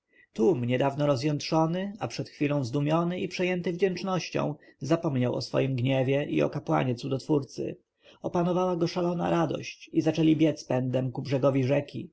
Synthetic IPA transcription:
t̪umɲɛd̪avnɔɾɔzjɛnt̪ʂɔnɘapʂɛt̪xfʲilɔ̃w̃zd̪umʲjɔnɘipʂɛjɛnt̪ɘvd͡ʑɛnt͡ʂnɔɕt͡ɕɔ̰̃w̃zapɔmɲawɔ̰sfɔ̰jimɡɲɛvʲjɛʔḭɔ̰kapwa̰ɲɛt̪sud̪ɔt̪fuɾt̪sɘ̰ | ɔpanɔvawaɡɔʂalɔna̰ɾad̪ɔ̰ɕt͡ɕizat͡ʂɛlʲibʲjɛspɛnd̪ɛmkubʐɛɡɔvʲiʐɛkʲḭ

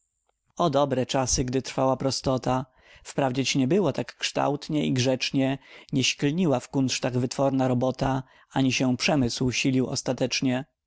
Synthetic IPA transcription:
ɔd̪ɔbɾɛt͡ʂasɘɡd̪ɘt̪ɾfawapɾɔst̪ɔt̪a | fpɾavd͡ʑɛt͡ɕɲɛbɘwɔt̪akːʂt̪a̰wt̪ɲɛiɡʐɛt͡ʂɲɛɲɛɕklɲiwafkunt̪ʂt̪aɣvɘt̪fɔɾnaɾɔbɔt̪a | aɲiɕɛpʂɛmɘswɕilʲiwɔ̰st̪at̪ɛt͡ʂɲɛ

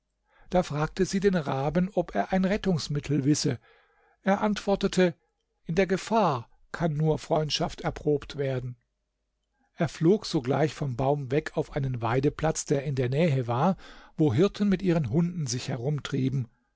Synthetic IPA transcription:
d̥aːfʁ̥aːk̚təziːdeːnʁaːbənɔpeːɐʔaɪnʁɛtʊŋsmɪtʰl̩vɪsə | ʔeːɐʔantv̥ɔɐtətʰə | ʔɪndeːɐɡəfaːɐ | kʰanːuːɐfʁ̥ɔʏntʃaftɛɐpʁ̥oːptv̥eːɐdn̩ | ʔeːɐfloːkz̥oːɡla̰ɪçfɔmbaʊmvɛkʰaʊfʔaɪnənvaɪdəplat͡sd̥eːɐɪndeːɐnɛːɦəvaːɐvoːɦɪɐtʰən̩mɪtʔiːʁənɦʊndn̩zɪçhɛʁʊmtʁ̥iːbm̩

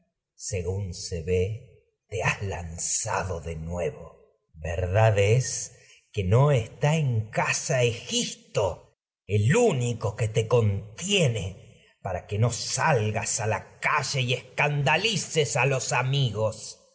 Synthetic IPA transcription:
seɣunseβe̞ | t̪eazlansa̰ðoðe̞nwe̞βo | βḛɾðaðes | ke̞no̞est̪aeŋkasaexip̚t̪o̞ | eluniko̞ke̞t̪e̞ko̞nt̪jene̞ | paɾake̞no̞salɣasalakaʒeieskand̪alisesalo̞samiɣos

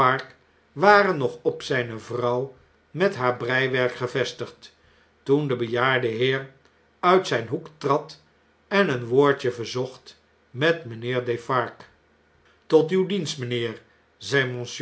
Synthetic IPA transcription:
ɑɹk | ʋaːɾənːɔχɔpsɛjnəvrɑw | mɛtɦaːɹbrɛjʋɛɹkχəvɛstəχt | tundəbəjaːɹdəɦɪːɹ | œɥtsɛjnɦuktrɑt | ɛnənʋoːɹt͡ʃəvəɹzɔχt | mɛtmənɪːɹdefɑɹk | tɔtywdinstmənɪːɹ | zɛjmɔ̃ns

